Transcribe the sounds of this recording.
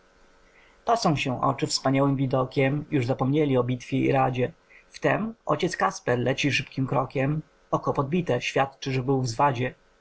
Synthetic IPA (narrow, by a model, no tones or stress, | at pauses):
t̪ɔsɔ̃w̃ɕɛʔɔ̰t͡ʂɘfspaɲawɘmvʲid̪ɔkʲɛmjuʐzapɔmɲelʲiɔbʲit̪fʲjɛḭɾad͡ʑɛ | ft̪ɛmɔ̰t͡ɕɛt̪skaspɛɾlɛt͡ɕiʂɘpkʲimkɾɔkʲɛm | ɔkɔpɔd̪̚bʲit̪ɛɕfʲjat̪t͡ʂɘʐɛbɘwvzvad͡ʑɛ